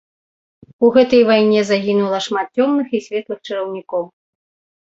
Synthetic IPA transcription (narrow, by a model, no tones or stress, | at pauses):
uɣɛt̪ɐjvajnʲɛzaɣʲinulˠɐʂmat̪̚t͡sʲɔmnɨxisʲvʲɛt̪lˠɨxt͡ʂɨɾɐwnʲikɔw